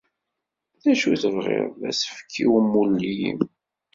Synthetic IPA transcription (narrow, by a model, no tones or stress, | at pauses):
θæʃuθəvʁḛʁðæsə̥fə̥kʰːiwəmːulːijḭm